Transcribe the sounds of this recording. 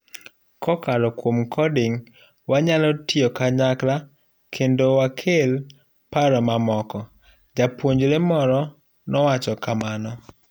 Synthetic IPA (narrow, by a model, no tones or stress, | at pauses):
kɔkalɔkwomkʰɔdɪŋ | waɲalɔtɪɔkaɲakla | kʰendowakʰel | paɾɔmamɔkɔ | d͡ʒapwoɲd͡ʒɾemɔɾɔ | nɔwat͡ʃɔkamanɔ